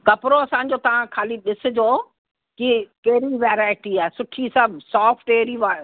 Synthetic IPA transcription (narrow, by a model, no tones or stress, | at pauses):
kɐpɾoɐsã̆ːd͡ʑoːt̪ɐʋ̤ãkʰaːliɗɪsʊ̆d͡ʑoː | kikɐɦɾiʋeːɾaːɪʈiaːɪsʊʈʰisasɔːfʰʈeːɾiʋa